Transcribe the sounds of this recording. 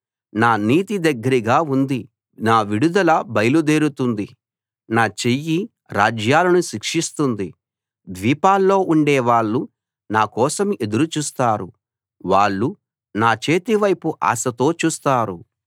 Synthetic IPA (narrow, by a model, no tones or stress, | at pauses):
naːniːt̪id̪ɐɡːɐɾiɡaːund̪i | naːʋiɽud̪ɐlɐbɐjɐlud̪e̞ːɾut̪und̪i | naːt͡ʃe̞jːi | ɾaːd͡ʒjaːlɐnuʃikʂist̪und̪i | d̪ʋiːpaːlːo̞ːʔuɳɖɛːʋaːɭːu | naːkɔːsɐme̞d̪uɾut͡ʃuːst̪aːɾu | ʋaːɭːu | naːt͡ʃe̞ːt̪iʋɐjpuʔa̰ːsɐt̪o̞ːt͡ʃuːst̪aːɾu